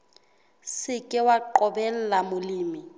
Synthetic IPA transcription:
sɪkʼɪwaǃɔbɛl̩lamʊliːmi

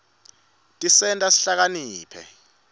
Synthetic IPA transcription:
tʼisɛntʼasi̥ɬak̬aniːpʰɛ̰

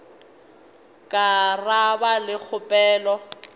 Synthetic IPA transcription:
kʼarabalɪk͡xʰʊpʼɛːlɔ

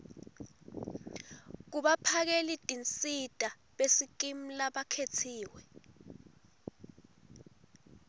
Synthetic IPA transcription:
k̬uɓapʰak̬elitʼint͡sʼitʼa | ɓesik̬ʼim̩laɓakʰetʰiːwɛ

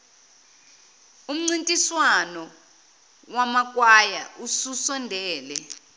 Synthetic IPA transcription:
um̩ŋ͡ǀintʼiswanɔ | wamak̬ʼwaja̰ʔususɔndʱɛːlɛ

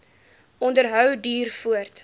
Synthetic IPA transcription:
ʔɔndərɦœwdiːrfuərt

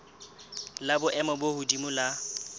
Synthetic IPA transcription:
labʊʔɛmɔbohʊdimʊla

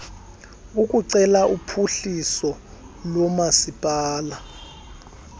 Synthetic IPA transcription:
ukʼuǀɛlaʔupʰuɬisɔ | lɔmasipʼaːla

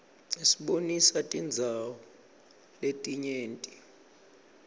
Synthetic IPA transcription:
isiɓonisatʼind͡zʱawɔ | letʼiɲeːntʼi̥

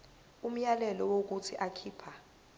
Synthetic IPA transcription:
um̩jalɛlɔwok̬utʰiʔakʰiːpʰa

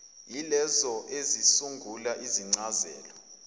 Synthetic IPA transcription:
jilɛzɔʔezisuŋɡʱulaʔiziŋ͡ǀazɛ̰ːlɔ

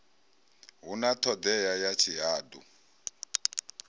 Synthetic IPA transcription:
ɦunat̪ʰɔd̪ɛjajat͡ʃʰiɦaːd̪u

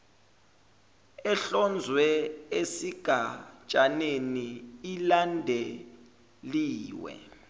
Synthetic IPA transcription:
ɛɬɔnd͡zʱwɛesiɡ̥ʱat͡ʃʼaneniilandʱe | liːwɛ̰

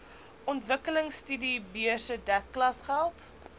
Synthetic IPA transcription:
ʔɔntvəkələŋstydibiəsədækːlɐsχælˠt

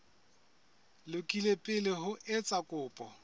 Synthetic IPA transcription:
lʊkʼilepʼɪlɪɦʊʔɪt͡sʼakʼʊːpʼɔ

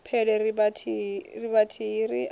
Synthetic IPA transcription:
pʰɛlɛribatʰiriβatʰiriʔ

